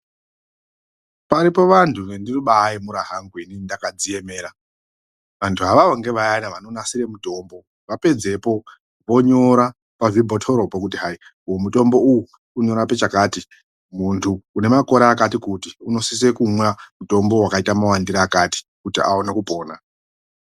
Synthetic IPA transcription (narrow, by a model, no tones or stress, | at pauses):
paɾipo̞ʋantʰuʋendiruɓaimuɾaɦaŋɡuininindakad͡zije̞me̞ːɾa | ʋantʰuɦaʋaoŋɡe̞ʋajanaʋano̞nasire̞muto̞ːmbo̞ | ʋape̞d͡ze̞po̞ | ʋo̞ɲo̞ɾa | pavibʱotʰoɾo̞pokutiɦaiujomuto̞mbo̞uu | kuɲo̞ɾape̞t͡ʃakaːti | muntʰuːne̞mako̞ɾaːkatikutiuno̞sis̬ekumwamuto̞mbo̞wakaitamawandiɾaːkati̥ | kutia̰onakupo̞ːna